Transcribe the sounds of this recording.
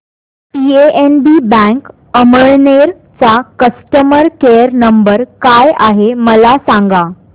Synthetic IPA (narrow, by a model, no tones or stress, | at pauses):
pieʔenbibɛ̃ŋk | əməɭneɾ | t͡sakəsʈəməɾkeəɾnəmbəɾkajaɦeməlasaŋɡa